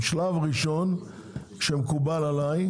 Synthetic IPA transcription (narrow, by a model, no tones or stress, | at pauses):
ʃlavʁiʃo̞n | kʃemkubalalaj